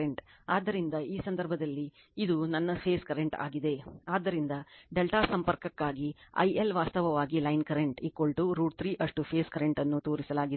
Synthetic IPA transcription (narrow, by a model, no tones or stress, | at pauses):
eɳʈaːd̪ːɐɾind̪ɐiːsɐnd̪ɐɾbʱɐd̪ɐlːiː | d̪unɐnːɐpʰeːskɐɾeɳʈa̰ːɡid̪e̞aːd̪ːɐɾind̪ɐɖelʈaːsɐmpɐɾkɐkːaːɡiɐ̰jʔelʋaːst̪ɐʋɐʋaːɡilɐjnkɐɾeɳʈikːoɭʈuɾuːɖ̚t̪ʰɾiːʔɐʂʈupʰeːskɐɾeɳʈɐnːut̪oːɾisɐlaːɡid̪